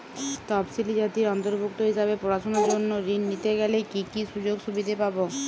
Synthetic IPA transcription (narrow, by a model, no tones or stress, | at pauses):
t̪ɔbsilid͡ʑat̪iɾɔnt̪oɾbʱukt̪oɦiʃabepɾoɾaʃonaɾd͡ʒonːoɾinːit̪eɡɛlekikiʃud͡ʑoɡʃubid̪ʱepabo